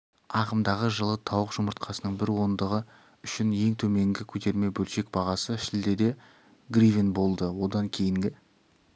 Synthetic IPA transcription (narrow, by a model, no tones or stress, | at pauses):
ɑqəmd̪ɑʁəʒəlˠət̪ʰɑwəqʒ̥ʊməɾt̪̚qʰɑsənəɴbɪɾwo̞nd̪əʁə | ʏʃɪnje̞ŋt̪ʰɵme̞ŋɡʲɪkʲʰɵt̪e̞ɾme̞bɵlʃe̞k̚b̥ɑʁɑsəʃɪld̪e̞d̪e̞ | ɡrivʲinbo̞lˠd̪əwo̞d̪ɑŋkʲʰe̞jɪŋɡʲɪ